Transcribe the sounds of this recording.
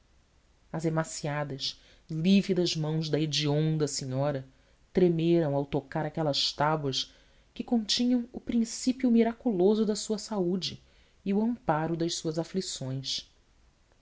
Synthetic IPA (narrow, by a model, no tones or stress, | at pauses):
ɐzemasiad̪ɐʃ | livid̪ɐzmɐ̃w̃zd̪ɐid͡ʒiõnd̪ɐsẽɲɔɾɐ | t̪ɾemeɾɐ̃w̃awt̪okaɾakɛlɐʃt̪abwɐʃ | kɪkõnt͡ʃĩɲɐ̃w̃ʊpɾĩsipjʊmiɾakulozʊd̪ɐsuɐsaud͡ʒɪː | ʊɐ̃mpaɾʊd̪ɐʃsuɐzaflisõj̃ʃ